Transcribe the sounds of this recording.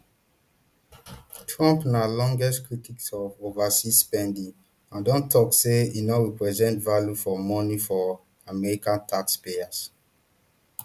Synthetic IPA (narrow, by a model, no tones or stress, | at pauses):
tʰɹɔ̃mpnalɔ̃ŋɡɛstkɹitiksɔvovasispɛ̃ndĩŋ | ãndɔ̃ntʰɔkseinɔɹipɹɛzɛ̃ntvaljufɔmɔnifɔ | amɛɹikãntʰakspeas